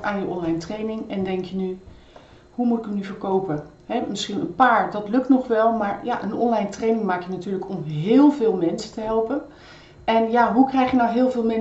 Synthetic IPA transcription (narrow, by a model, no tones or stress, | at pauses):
ʔaːnjəʔɔnlɛjntrejnɪŋɛndɛŋkjəny | ɦumutɪkəmnyvəɹkowpə | ɦɛmɪsχinə̰npaːɹdɑtlɵk̚tnɔχʋɛlˠmaːɹja̰ʔə̰nɔ̰nlɛjntrejnɪŋmaːkjənatyːɹləkɔmɦɪːlˠvɪːlˠmɛnsətəɦɛlˠpən | ɛnjaɦukrɛjχjənawɦɪːlˠvɪːlˠmɛn